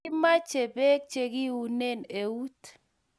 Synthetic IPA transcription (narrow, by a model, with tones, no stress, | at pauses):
ma˦t͡ʃe˨be˦k̚t͡ʃe˨kɪ˦u˨ne˦˨ne˨u˦t